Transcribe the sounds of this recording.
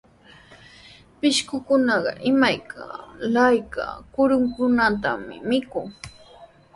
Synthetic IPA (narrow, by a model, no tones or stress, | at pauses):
pɪʃkʊkʊnɑɢɑ̰ʔɪmajkʰalajka̰kʊɾʊŋkʊnat̪amɪ̰mɪkʊŋ